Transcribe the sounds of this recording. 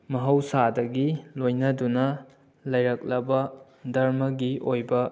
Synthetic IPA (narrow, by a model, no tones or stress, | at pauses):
mɐɦɐwsadɐɡilojnɐdunɐ | lɐjɾɐk̚lɐbɐ | dɐɾmɐɡiʔojbɐ